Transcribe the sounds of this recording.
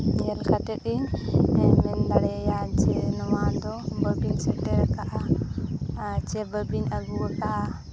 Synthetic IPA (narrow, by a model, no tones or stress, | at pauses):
jɛlkatɛɗinɛmɛndaɾɛjad͡ʒɛnɔmadɔbabinsɛdɛɾkaʔa | t͡ʃɛbabinaɡuka